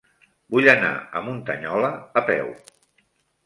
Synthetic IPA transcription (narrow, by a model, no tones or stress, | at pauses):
buʎəna̰ə̰munt̪əɲɔləːpɛw